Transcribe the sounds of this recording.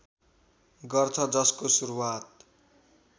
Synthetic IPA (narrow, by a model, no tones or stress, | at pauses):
ɡʌrt̪ʰʌd͡zʌskosuɾuwat̪̚